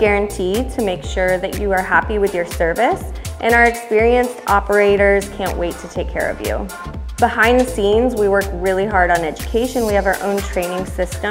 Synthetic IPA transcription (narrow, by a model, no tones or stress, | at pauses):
ɡ̥ɛɹɨ̃ntʰid̚tʰɨmeɪkʃʊɹðɨ̰t͡ʃɨə˞hæpiwɨðjə˞sɜ˞vɨsʔɨ̃ñaʊə˞ɨkspɪɹiɨ̃nstɑpə˞eɪɾə˞z̥kʰæ̃nʔweɪtʰɨtʰeɪkʰɛ̰ɹʌ̰vjʉ̰ | bəhãɪ̃nðəsĩnzwiwɜ˞kɹɪlˠiɦɑɹɾn̩ɛd͡ʒɨkʰeɪʃɨ̃nwiɨvə˞ʔõ̰ʊ̃ntʰɹ̥ẽɪ̃nɪ̃ŋsɪstə̃